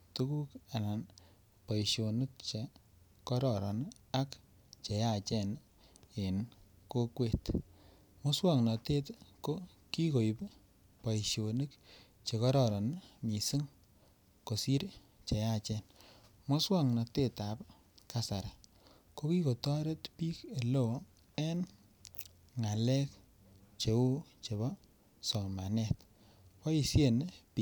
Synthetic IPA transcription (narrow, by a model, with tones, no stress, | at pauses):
tu˦ku˦ka˨na˨n | pa˨jʃo˨nu˦k̚t͡ʃe˨ | kɔ˦ɾɔ˨ɾɔ̰˨n | a˦k | t͡ʃe˨ja˨t͡ʃɛ˦˨n | e˨n | ko˦kwe˦t | mo˦swa˦˨ŋnɔ˨te˦tko˦ | ki˦ko˨jp | pa˨iʃjo˨nɨ˦k | t͡ʃe˨kɔ˦ɾɔ˦˨ɾɔ˨nmi˨sɨ˦ŋ | ko˨si˦ɾ | t͡ʃe˨ja˦˨t͡ʃɛ˦n | mo˦swa˦˨ŋnɔ˨te˦ta˨p | ka˨sa˨ɾa˨ | ko˦ki˦ko˨ta˦ɾe˦tpiː˦ke˨lo˦˨w | ɛ˦n | ŋa˨lɛ˦k | t͡ʃe˨wu˦t͡ʃe˨βɔ˦ | sɔ˨ma˨nɛ˦t | pa˦i˨sje˦˨npi˦